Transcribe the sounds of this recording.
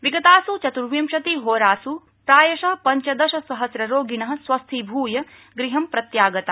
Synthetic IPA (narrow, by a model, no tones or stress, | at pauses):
ʋiɡɐt̪aːsut͡ʃɐt̪uɾʋjimʃɐt̪iɦoːɾaːsu | pɾaːjɐʃɐpɐɲt͡ʃɐd̪ɐʃɐsɐɦɐsɾɐɾoːɡiɳɐɦɐ̆sʋɐst̪ʰibʱuːjɐ | ɡɾiɦɐmpɾɐt̪jaːɡɐt̪a